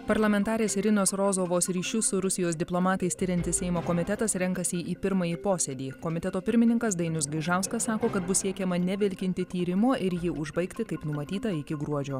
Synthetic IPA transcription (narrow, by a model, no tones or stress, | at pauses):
pɐɾlˠɐmʲɛnt̪ɑːɾʲeːsɪɾʲɪnoːsɾoːzoːʋoːsɾʲiːʃʲʊsʊɾʊsʲɪjoːsd̪ʲɪplˠoːmɑːt̪ɐɪst̪ʲɪɾʲɛnt̪ʲɪssʲɛɪmoːkoːmʲɪt̪ʲɛt̪ɐsɾʲɛŋkɐsʲiʔiːpʲɪɾmɐjiːpoːsʲɛd̪ʲiːkoːmʲɪt̪ʲɛt̪oːpʲɪɾʲmʲɪnʲɪŋkɐs̬d̪ɐɪnʲʊsɡɐɪʒɑˑʊskɐssɑːkoːkɐt̪bʊssʲiɛkʲɛmɐnʲɛʋʲɪlʲkʲɪnʲt̪ʲɪt̪ʲiːɾʲɪmoːʔɪɾjɪʔʊʒbɐɪkt̪ʲɪkɐɪpnʊmɐt̪ʲiːt̪ɐɪkʲɪɡɾuɔd͡ʒʲoː